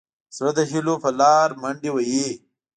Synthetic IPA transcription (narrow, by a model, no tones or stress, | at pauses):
sɾɐd̪ɐɕilopɐlɑːɾmɐɳɖiwɐje